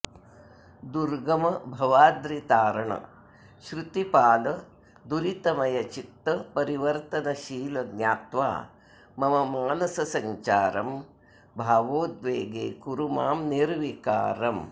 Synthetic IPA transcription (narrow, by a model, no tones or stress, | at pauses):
d̪uɾɡɐmɐbʱɐʋaːd̪ɾit̪aːɾɐɳɐ̰ | ʃɾut̪ipaːlɐ | d̪uɾit̪ɐmɐjɐt͡ʃikt̪ːɐpɐɾiʋɐɾt̪ɐnɐʃiːlɐɡnʲjaːt̪ʋa̰ː | mɐmɐmaːnɐsɐsɐɲt͡ʃaːɾɐm | bʱaːʋoːt̪ʋeːɡeːkuɾumaːmniɾʋika̰ːɾɐm